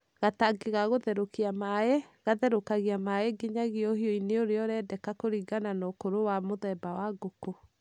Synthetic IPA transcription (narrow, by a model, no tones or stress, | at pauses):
ɣataɡeɣaɣoðɛɾokiamaeɣaðɛɾokaɣiamaeɡeɲaɣeohiɔineoɾeɔɾɛdɛkakoɾiɡananokoɾowamoðɛbawaɡoko